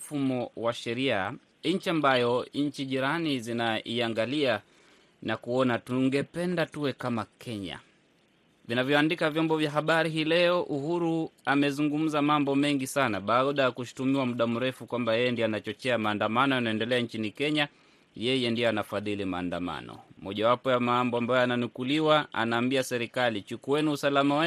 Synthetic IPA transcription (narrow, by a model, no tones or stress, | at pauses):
fumɔwaʃɛɾia | ɲ̩t͡ʃiambajɔɲ̩t͡ʃiʄiɾanizinaiaŋɡalia | nakuɔnatuŋɡɛpɛndatuwɛkamakʰɛɲa̰ | vinavjɔandikavjɔmbɔvjaɦaɓaɾiɦiːlɛɔʔuhuɾuamɛzuŋɡum̩zamambɔmɛŋɡisanaɓaːɗajakuʃu̥tumiwamuɗam̩ɾɛfukwambajɛjɛndianat͡ʃɔt͡ʃɛamaːndamanɔjanaɛndɛlɛant͡ʃinikɛɲa | jɛjɛndiɔanafaðilimaːndama̰nɔ̰mɔʄawapɔjamambɔambajɔananukuliwaa̰naːmbiasɛɾikalit͡ʃukuɛniusalamawɛ